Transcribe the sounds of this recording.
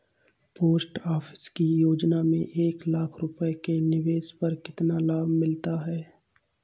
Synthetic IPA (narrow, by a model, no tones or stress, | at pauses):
poːsʈaːfʰɪ̥skijoːd͡ʒnamḛ̃ʔeːklaːkʰɾʊpəekenɪʋeːspɐɾkɪt̪nalaːbʱmɪlt̪aɦɛː